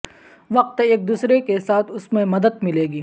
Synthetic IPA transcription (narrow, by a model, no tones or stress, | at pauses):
ʋɐq̚t̪eːk̚d̪uːsɾekesaːt̪ʰʊsmẽmɐd̪əd̪mɪleːɡiː